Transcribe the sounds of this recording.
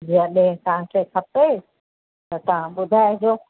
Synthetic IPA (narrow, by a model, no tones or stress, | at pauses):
d͡ʑijãɗẽɦkãːʈekʰɐpe | t̪ɐt̪ɐʋ̤ãɓʊd̪ʱaːed͡ʑoː